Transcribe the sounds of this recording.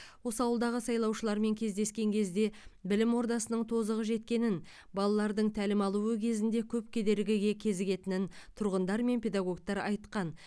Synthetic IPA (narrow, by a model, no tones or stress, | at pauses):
wo̞səɑwəlˠd̪ɑʁəsɑjlˠɑwʃəlˠɑɾme̞ŋkʲʰe̞zd̪e̞skʲe̞ŋkʲʰe̞zd̪e̞bɪlɪmwo̞ɾd̪ɑsənəɴt̪ʰo̞zəʁəʒe̞t̪kʲe̞nɪn | bɑlˠɑlˠɑɾd̪əɴt̪ʰælɪmɑlˠuwəkʲʰe̞zɪnd̪e̞kʲʰɵp̚kʲʰe̞d̪e̞ɾɪɡʲɪɡʲe̞kʲʰe̞zɪɡʲe̞t̪ɪnɪnt̪ʰʊɾʁənd̪ɑɾme̞npʰʲe̞d̪aɡo̞ɡt̪ɑɾɑjt̪qɑn